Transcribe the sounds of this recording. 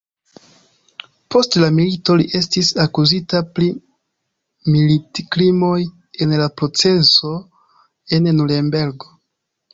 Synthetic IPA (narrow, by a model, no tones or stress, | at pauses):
po̞stlamilito̞liʔe̞stisakuzitapli | militikɾimo̞j | e̞nlapɾo̞t͡se̞so̞ | e̞nnulembe̞ɾɡo̞